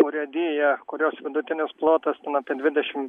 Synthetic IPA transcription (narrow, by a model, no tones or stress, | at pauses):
poɾʲɛd̪ʲiːjɛkʊɾʲoːsʋʲɪd̪ʊt̪ʲɪnʲɪsplˠoːt̪ɐst̪ʲɛnɐpʲiɛd̪ʲʋʲɪd̪ʲɛʃʲɪm